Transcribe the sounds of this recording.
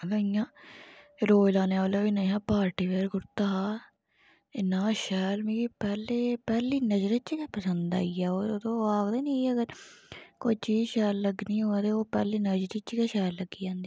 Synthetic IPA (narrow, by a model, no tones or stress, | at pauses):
ɡəijãː | ɾoːlãːneːaːljaːɪnãːɦãːpaːɾʈiːʋeːɾɡʊɾt̪aː | ɪnãːʃɛːlmĩːɡiːpɛːleːpɛːliːnəd͡ʒɾət̪t͡ʃkɛːpəsənd̪a̰ːiɛːoːt̪õːaːɡd̪eːnĩːəɡəɾkot͡ʃiʃɛːlːəɡnĩːɦoːaːt̪eːoːpɛ̰ːliːnəd͡ʒɾiːt͡ʃkɛːʃɛːlːəɡiːãːnd̪iː